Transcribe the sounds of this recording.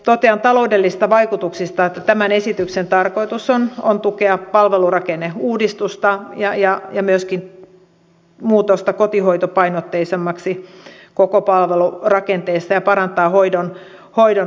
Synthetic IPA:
t̪ot̪eɑnt̪ɑloudelːiset̪ɑʋɑikut̪uksist̪ɑet̪ːæt̪æmænesit̪yksent̪ɑrkoit̪usonont̪ukeɑpɑlʋelurɑkenːeuːdist̪ust̪ɑjɑjɑjɑmyøskin | muːt̪ost̪ɑkot̪ihoit̪opɑinot̪ːeisemːɑksi | kokopɑlʋelurɑkent̪eist̪ɑjɑpɑɾɑnt̪ɑːhoidon | hoido

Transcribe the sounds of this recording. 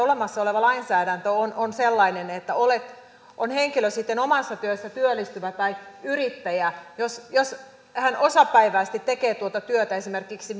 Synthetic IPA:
olemɑsːɑoleʋɑlɑinsæːɾænt̪øononselːɑinenet̪ːæolet̪ | ʔonheŋkiløsit̪ːenomɑsːɑt̪yøsːæt̪yølːˑist̪yʋæt̪ɑiyrit̪ːæjæjosjos | hænosɑpæiʋæːst̪it̪ːekeːt̪uot̪ɑt̪yøt̪æesimerkiksi

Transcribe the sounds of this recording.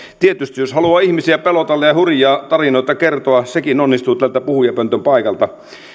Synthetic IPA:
t̪iet̪yst̪ijoshɑluɑːihmisiæpelot̪ɑlːejɑhurjɑːt̪ɑrinoit̪ɑkert̪oɑsekinonːist̪uːt̪ælt̪æpuhujɑpønt̪ømpɑikɑlt̪ɑ

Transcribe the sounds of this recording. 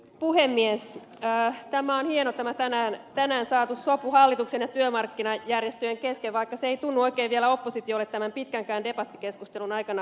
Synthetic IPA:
puhemːies | t̪æmæonhienot̪æmæt̪ænæːnt̪ænæːnsɑːt̪ussopuhɑlːit̪uksenjɑt̪yømɑrkːinɑjærjest̪øjeŋkeskeʋʋɑikːɑseeit̪unːuoikeːʋielæopːosit̪iolːet̪t̪ːæmæmpit̪kæŋkæːndepɑt̪ːikeskust̪elunɑikɑnɑ

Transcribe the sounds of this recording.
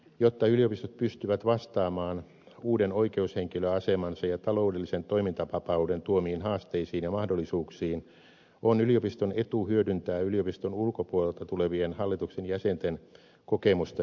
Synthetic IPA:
jot̪ːɑyliˑopist̪ot̪̚pyst̪yʋæt̪ʋɑst̪ɑːmɑːn | uːdenoikeusheŋkiløɑsemɑnsɑjɑt̪ɑloudelːisent̪oimint̪ɑpɑpɑudent̪uomiːnhɑːst̪eisiːnjɑmɑhdolːisuːksiːn | onyliopist̪onet̪uhyødynt̪æːyliopist̪onulkopuolelt̪ɑt̪uleʋienhɑlːit̪uksenjæsent̪en | kokemust̪ɑ

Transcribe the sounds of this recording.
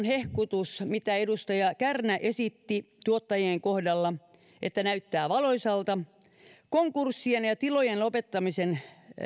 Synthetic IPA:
nhehkut̪usmit̪æedust̪ɑjɑkærnæʔesit̪ːit̪uot̪ːɑjieŋkohdɑlːɑ | ʔet̪ːænæyt̪ːæːʋɑloisɑlt̪ɑ | koŋkursːienjɑt̪ilojenlopet̪ːɑmisen

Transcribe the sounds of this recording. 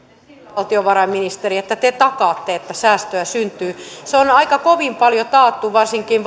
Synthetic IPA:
lt̪ioʋɑrɑimːinist̪eriet̪ːæt̪et̪ɑkɑːt̪ːeet̪ːæsæːst̪øæsynt̪yːseonɑikɑkoʋimpɑljot̪ɑːt̪ːuʋɑrsiŋkinʋ

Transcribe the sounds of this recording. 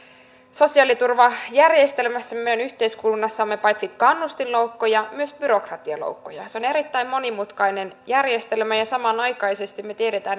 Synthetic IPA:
so̞siɑlit̪urʋɑjærjest̪e̞lmæsːæmemeɾɑnyçt̪eiskulunːɑsːɑmːepɑjt̪sikɑnːust̪illoukːojɑmyøsb̥yɾo̞krɑt̪iɑ̰lo̰uwkːojɑ̰seo̞ne̞ɾit̪ːæimmo̞nimut̪kɑjnenjærje̞st̪e̞lmæjɑsɑmɑnɑjkɑjse̞st̪imet̪ieɾet̪æːn

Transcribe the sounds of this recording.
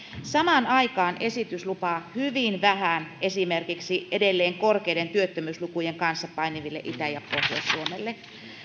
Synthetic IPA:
sɑmɑnɑikɑːnesit̪yslupɑhyʋinʋæhænesimerkiksiʔedelːeːŋkorkeident̪yøt̪ːømyːslukujeŋkɑnsːɑppɑiniʋilːeʔit̪æjɑpohjɑ̰ssuomelːe

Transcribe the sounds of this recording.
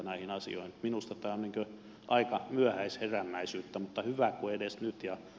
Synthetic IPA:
næˑihinɑsḭo̰inminust̪ɑt̪æːoniːŋkø | ʔɑikɑmyæhæisheræmːæisyːt̪ːæmut̪ːɑhyʋækuedesnyt̪jɑ

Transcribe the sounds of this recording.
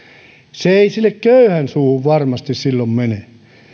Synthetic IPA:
seeisilːekkøyhænsuːhuʋʋɑrmɑst̪issilːommene

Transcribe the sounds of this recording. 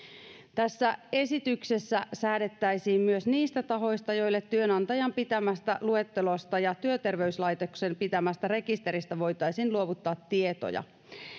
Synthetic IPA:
t̪æsːæe̞sit̪ykse̞sːæsæːde̞t̪ːæjsiːmmyøsniːst̪æt̪ɑɦo̞jst̪ɑjo̞ilːet̪tːyønɑnt̪ɑjɑmpit̪æmæst̪ælue̞t̪ːe̞lo̞st̪ɑjɑt̪yøt̪e̞rʋe̞yslɑjt̪eksempit̪æmæst̪ære̞kist̪e̞ɾist̪æʋo̞jt̪ɑjsiːnluo̞ʋut̪ːɑːt̪ːie̞t̪o̰jɑ̰

